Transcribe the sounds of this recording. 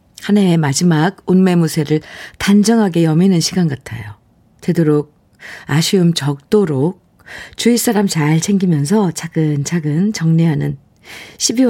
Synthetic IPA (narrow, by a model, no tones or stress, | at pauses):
hanaemad͡ʑimaɡunme̞musʰe̞ɾɯɭtand͡ʑʌŋɦaɡe̞jʌminɯnɕʰiɡanɡatʰa̰jo̰ | te̞doɾok̚ | aɕʰiumt͡ɕʌk̚t͈oɾok̚ | t͡ɕuis͈aɾamt͡ɕaɭt͡ɕʰe̞ŋɡimjʌnsʰʌt͡ɕaɡɯnt͡ɕʰaɡɯnt͡ɕʌŋneɦanɯn | ɕʰibiw